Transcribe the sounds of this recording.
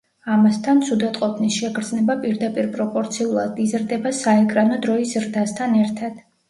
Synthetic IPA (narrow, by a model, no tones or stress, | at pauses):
amast̪ʰant̪sʰud̪ɛt̪ʼqʼɔpʰnisʃɛɡɾd̪znɛbapʼiɾd̪apʼiɾpʼɾɔpʼɔɾt̪sʰiulˠad̪izɾd̪ɛbasaɛkʼɾanɔd̪ɾɔiszɾd̪ast̪ʰanɛɾt̪ʰad̪̥